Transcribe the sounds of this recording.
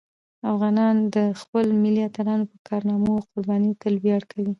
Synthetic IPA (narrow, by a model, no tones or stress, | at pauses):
afɣɑnɑnd̪əxpəlmɪliat̪aɾɑnopəkɑɾnɑmoqʊɾbɑnit̪alwjaɽkʰawi